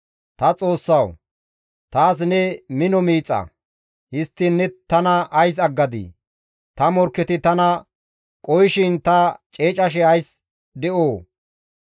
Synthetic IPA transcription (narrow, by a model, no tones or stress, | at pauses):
t̪ɐt͡sʼo̞ːsːɐw | t̪aːs̬nɛmɪnɔmiːt͡sʼːɐ̰ | hɪst̪ːɪnːɛt̪ɐnɐʔɐjs̬ɐɡːɐd̪ḭ | t̪ɐmɔɾkːɛt̪ɪt̪ɐnɐ | kʼɔjʃɪnt̪ɐt͡ʃʼeːt͡ʃʼɐʃ̬ɛɐjs | d̪ɛʔoː